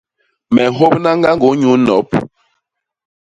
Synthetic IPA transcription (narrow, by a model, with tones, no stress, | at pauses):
mɛ˨ɦo˦p̚na˦ŋ˦ɡa˦ŋ˦ɡo˨˦ɲu˨˦nɔ˨˦p̚